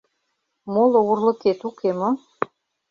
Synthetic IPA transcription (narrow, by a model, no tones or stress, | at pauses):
molˠoɣurlɤ̆ket̪ukʰemo